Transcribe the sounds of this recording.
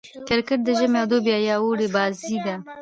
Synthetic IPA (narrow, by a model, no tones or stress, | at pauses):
kɪɾkəʈ̚d̪əʒəmeawd̪objɑjɑwoɽebɑzid̪a